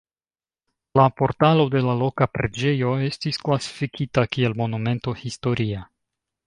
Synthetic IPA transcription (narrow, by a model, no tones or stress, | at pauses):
lapo̞ɾtalo̞de̞lalo̞kapɾe̞d͡ʒe̞jo̞e̞stisklasi̥fikʰitakie̞lmo̞nume̞nto̞histo̞ɾia